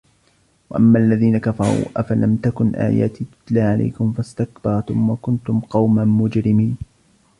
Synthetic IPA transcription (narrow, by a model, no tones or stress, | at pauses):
waʔamːaːʔalːaðiːnakafɑ̰ɾˤṵːʔafalamt̪akʊnʔa̰ːja̰ːt̪iːt̪ʊ̥t̪laːʕalʔa̰jkʊmfast̪ak̚bɑɾˤt̪ʊmwakʊnt̪ʊmqɑwmamʊd͡ʒɾɪmiːn